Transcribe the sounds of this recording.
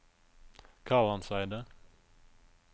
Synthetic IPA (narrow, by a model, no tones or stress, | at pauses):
kʰɑːlɑnsæɪd̪ə